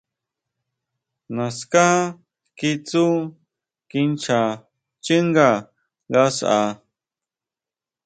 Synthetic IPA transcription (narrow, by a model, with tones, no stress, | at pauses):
nã˨ska˦hã˦ | ki˦t͡su˦ | ki˦nt͡ʃʰa˨ | t͡ʃi˦ŋɡa˨ | ɡa˦sa̰˨